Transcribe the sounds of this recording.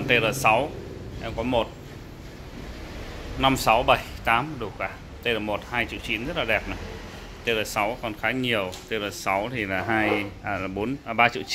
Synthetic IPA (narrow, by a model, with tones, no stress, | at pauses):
t̪e˧ləː˨˩sa˨˦w | ʔɛ˧mkɔ˨˦mo˨˩t̚ | na˧msa˨˦wɓə˨˩jt̪aː˨˦mɗu˨˩kwaː˧˩ | t̪e˧ləː˨˩mo˨˩t̚haː˧jt͡ɕḭ˧˨wt͡ɕi˨˦nzə˦˥t̚laː˨˩ɗɛ˨˩p̚na˨˩j | t̪e˧ləː˨˩sa˨˦wkɔ˨˩nxaː˨˦ɲi˨˩əwt̪e˧ləː˨˩sa˨˦wt̪ʰi˨˩laː˨˩ɦaː˧jʔlːɓo˨˦nː˨˩ɓaː˧t͡ɕḭ˧˨t͡ɕ